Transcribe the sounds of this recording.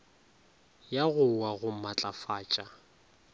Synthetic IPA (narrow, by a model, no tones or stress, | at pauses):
jaɣʊwaɣʊmat͡ɬʼafaːt͡ʃʼa